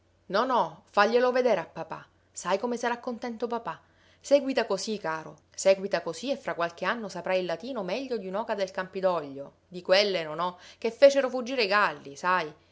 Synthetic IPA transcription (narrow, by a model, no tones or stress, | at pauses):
nɔnɔfaʎːeloved̪eːɾeapːapa̰ | sajkomesaɾakːont̪ɛnt̪opapa | sɛːɡwit̪akosikaːɾo | sɛːɡwit̪akosiefːɾakːwalk̟eanːosapɾajilːat̪iːnomɛʎːod̪iunɔːkad̪elkampid̪ɔʎːo | d̪ikwelːenonɔk̟efːeːt͡ʃeɾofud͡ʒːiːɾeɡalːisaj